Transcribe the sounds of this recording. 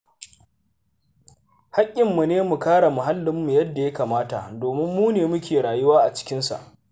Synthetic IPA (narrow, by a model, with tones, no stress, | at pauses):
ha˦kʲʼːɪ˨mːu˨neː˦mu˨kaː˦ɽa˨mʊ˨ɦa˦lːɪ˦mːu˨jɐ˦dːa˨ja˦kaː˨maː˦ta˨ʔdoː˨mɪ˦mːuː˦neː˨mʊ˦kʲeː˨ɽaː˨jʊ˦waː˦ʔa˨t͡ʃɪ̥˦kʲɪ˦nsa̰˨ʔ